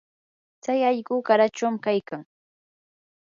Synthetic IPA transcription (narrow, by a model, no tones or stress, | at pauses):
t͡sajaʎɢʊkaɾat͡ʃawmkajkaŋ